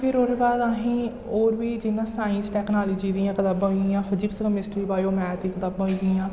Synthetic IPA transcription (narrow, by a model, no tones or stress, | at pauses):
pʰɪɾoɾeːbaːd̪aɦĩː | oːɾʋiːd͡ʒɪnːãːsaːɪ̃nsʈɛːknaːliːd͡ʒiːd̪iːãːkət̪aːbãːɦãːfʰəd͡ʒiːksəkəmɪsʈɾiːbaːjoːmɛ̃ːt̪iːkət̪aːbãːɦiːd̪iãː